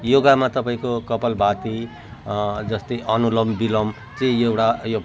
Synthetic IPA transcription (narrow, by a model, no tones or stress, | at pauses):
joɡamat̪ʌpaĩkokʌpʌlbʱat̪i | d͡zʌst̪ʌjʔʌnulʌmbilʌm | t͡sʌ̃ĩewʈajo